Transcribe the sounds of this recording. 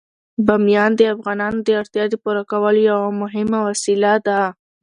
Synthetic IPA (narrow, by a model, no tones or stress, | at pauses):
bamijɑnd̪əafɣɑnɑnod̪əaɾt̪jɑd̪əpuɾakawəlojawamʊɦɪmawasilad̪a